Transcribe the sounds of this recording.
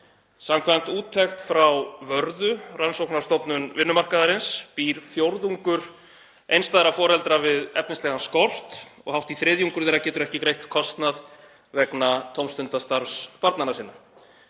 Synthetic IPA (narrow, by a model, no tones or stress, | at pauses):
samkʰvajm̥t̪uːt̪ʰːɛxt̪fɾawvœɾðʏransowknḁst̪ɔpnʏnvɪnːʏmar̥kaðaɾɪnspiːɾfjowɾðuŋkʏɾ̥ | ʔejnst̪aːðɪɾafɔːɾɛlt̪ɾavɪðɛ̰pnɪst̪ɛɣanskɔr̥t̪ɔ̰ɣhawht̪iθɾɪːðjuŋkʏɾθɛːɾacɛːt̪ʏɾɛhcɪkɾejht̪kʰɔst̪nað | vɛknat̪ʰowmst̪ʏnt̪ast̪aɾfspaɾt̪nanasiːnːa